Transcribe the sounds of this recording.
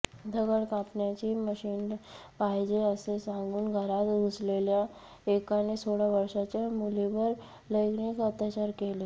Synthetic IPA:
d̪ʱəɡəɽkãpnjat͡ɕiːməɕiːnpajd͡ʑeəsesãŋɡuːnɡʱəɾat̪uslelja | ekanesoɽaʋəɾʂat͡ɕjamuliʋəɾ | ləjknikət̪jat͡ɕaɾkele

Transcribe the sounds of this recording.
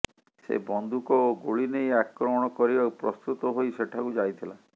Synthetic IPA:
sḛbɔnd̪ʱukɔoɡoɭinejakɾɔmɔɽ̃ɔkɔɾibapɾɔst̪ut̪ɔɦojseʈʰakud͡ʒajt̪ʰila

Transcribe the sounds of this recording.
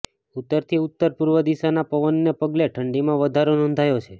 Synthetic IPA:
ut̪ːəɾt̪ʰiut̪ːəɾpuɾʋəd̪isanapəʋənːepəɡleʈʰəɳɖimãʋəd̪ʱaɾonɔ̃nd̪ʱajot͡ʃʰe

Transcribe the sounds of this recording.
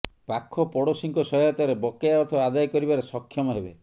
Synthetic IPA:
pakʰːɔpɔɽosiŋkɔsɔjɔt̪ɔɾebɔkejaɔɾt̪ʰɔad̪ajkɔɾibaɾesɔkʰːjɔmɔɦebe

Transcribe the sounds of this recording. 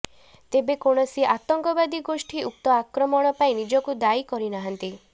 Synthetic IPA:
t̪ebekoɽ̃ɔsiʔat̪ɔŋkɔbad̪iɡosʈʰiuk̚t̪ɔakɾɔmɔɽ̃ɔpaĩnid͡ʒɔkud̪aikɔɾinaɦɔnt̪i

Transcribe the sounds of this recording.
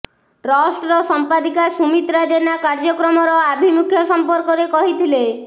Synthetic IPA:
ɾɔsʈɾɔsɔmpad̪ikasumit̪ɾad͡ʒenakaɾd͡ʒɔkɾɔmɔɾɔabʱimukʰjɔsɔmpɔɾkɔɾekɔɦit̪ʰile

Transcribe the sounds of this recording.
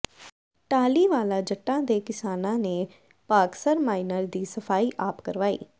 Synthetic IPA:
ʈaːliːʋaːlãːd͡ʒəʈːãːd̪eːkɪsaːnãːneː | paːksəɾmaːinəɾd̪iːsəfʰaːiːʔaːpkəɾʋaːḭː

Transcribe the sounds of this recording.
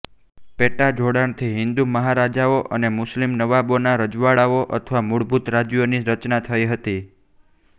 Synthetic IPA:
peʈad͡ʒʱoɽaɳt̪ʰiɦɪnd̪uməɦaɾad͡ʒaoʔənemʊslimnəʋabonaɾəd͡ʒʋaɭaoʔə̰t̪ʰəʋamuɽbʱut̪ɾad͡ʒjoniɾət͡ʃnat̪ʰəiɦət̪i

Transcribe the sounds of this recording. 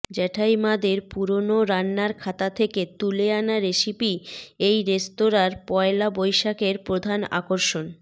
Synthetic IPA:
d͡ʑɛʈʰajmad̪eɾpuɾonoɾanːaɾkʰat̪at̪ʰeket̪uleanaɾeʃipiejɾest̪oɾaɾpɔelabojʃakeɾpɾod̪ʱana̰koɾʃon

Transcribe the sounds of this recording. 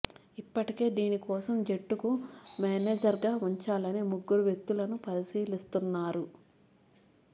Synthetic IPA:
ipːɐʈike̞ːd̪iːnikɔːsɐmd͡ʒe̞ʈːukumaːneːd͡ʒɐɾɡaːuɲt͡ʃaːlɐneːmuɡːuɾuʋje̞k̚t̪ulɐnupɐɾisiːlist̪unːaːɾu

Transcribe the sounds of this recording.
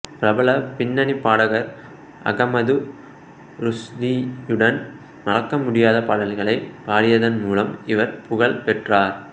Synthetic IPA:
pɪɾɐbɐɭɐpɪnːɐnipːaːɽɐɣɐɾ | ɐ̰ɣɐmɐðɯ | ɾʊsd̪ijɯɽɐn | nɐlɐkːɐmʊɽɪjaːðɐpɐɽɐlɣɐɭɐɪpaːɽɪjɐðɐnmuːlɐmɪʋɐɾpʊɣɐɭpɛʈraːɾ

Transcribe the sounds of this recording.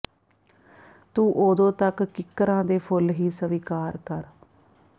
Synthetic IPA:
t̪ũːʔoːd̪õːt̪əkːɪkːəɾãːd̪eːpʰʊlɦiːsəʋikaːɾkəɾ

